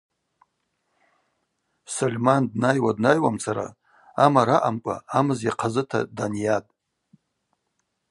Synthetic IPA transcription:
solʲmandnajwadnajwamt͡sʰaɾa̰ | amaɾaʔamkʷʼa̰amɨzjaqʰazɨtʰa̰danjatʼ

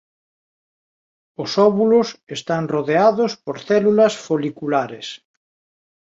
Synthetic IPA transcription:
ʊsɔβulʊsest̪aŋroðeaðʊspoɾθɛlulɐsfolikulaɾes

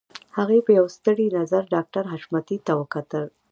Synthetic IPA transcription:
haɣepəjawst̪əɽinazaɾɖɑk̚ʈaɾɦaʃmat̪it̪awəkat̪əl

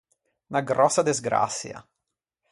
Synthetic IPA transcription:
naɡɾɔsːad̪ezɡɾa̰t̪sːja̰

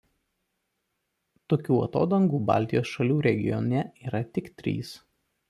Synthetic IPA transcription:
t̪oːkʲuːɐ̰t̪o̰ːd̪ɐŋɡuːbɑ̰ˑlʲt̪ʲɪjoːsʃɐlʲuːɾʲɛɡʲɪ̰jɔnʲɛiːɾɐt̪ʲɪkt̪ʲɾʲḭːs

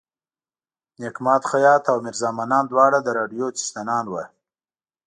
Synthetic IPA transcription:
nekmɑːt̪xajɑt̪awmɪɾzɑːmanɑːnd̪wɑɽad̪əɾɑɖijot͡si̥st̪anɑnwa

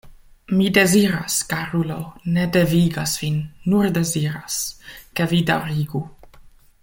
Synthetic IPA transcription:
mid̪eziɾaskaɾuloned̪eviɡasv̥inːurd̪eziɾaskevid̪aɾiɡu

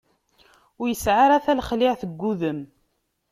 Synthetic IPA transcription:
ʊɾjəsʕaɾæθælχlɪʕθəɡːuðəm

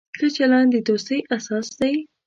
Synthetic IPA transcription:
kət͡ʃalɑnd̪ed̪ost̪əjʔasɑsd̪aj

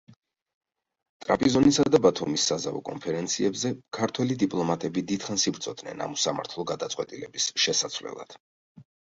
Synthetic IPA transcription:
t̪ʼɾapʼizɔnisad̪abat̪ʰumisːazavɔ̰kʼɔ̰npʰɛɾɛnt̪sʰiɛbzɛkʰaɾt̪ʰwɛlid̪ipʼlˠɔmat̪ʼɛbid̪id̪̥χansibɾt̪sʰʼɔd̪nɛ̰na̰musama̰ɾt̪ʰlˠɔɡad̪at̪sʼwɛt̪ʼilɛbisʃɛsat̪sʰvlɛ̰lˠa̰d̪̥

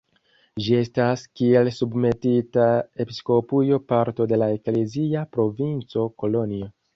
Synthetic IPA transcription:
d͡ʒie̞staskie̞lsubme̞titae̞pisko̞pujo̞paɾto̞de̞lae̞kle̞ziapɾo̞vint͡so̞ko̞lo̞nio

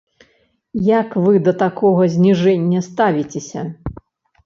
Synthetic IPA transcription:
jakvɨd̪ɐt̪akʰɔɣɐzʲnʲiʐɛnʲːɐst̪avʲit͡sʲesʲɐ̰

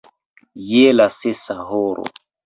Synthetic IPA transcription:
jelasesaɦoɾo̰

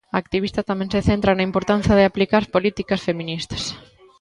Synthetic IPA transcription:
ɐːkt̪iβist̪ɐt̪amẽŋseθent̪ɾɐnɐimpoɾt̪an̟θjaðɪaplikaɾspolit̪ikɐsfemĩnist̪ɐ̥s

